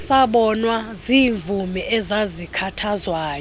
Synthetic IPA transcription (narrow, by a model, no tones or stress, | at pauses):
saɓɔnwaziːɱvʱumɛʔɛzazikʰatʰazwaːjɔ